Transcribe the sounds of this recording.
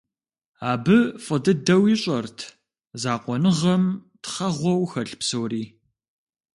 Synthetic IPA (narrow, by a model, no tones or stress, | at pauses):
aːbɨfʼɨdɐdɐwiːɕʼɐrtʰ | zaːqʷɔnɨʁɐmtχɐʁʷɔwxɐɬpsɨwriː